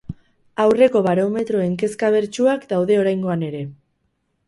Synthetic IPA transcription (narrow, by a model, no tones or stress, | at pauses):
awre̞ko̞βaɾo̞me̞t̪ɾo̞e̞ŋke̞skaβ̞e̞ɾt͡ʃuakd̪awðe̞o̞ɾajŋɡo̞ane̞ɾe̞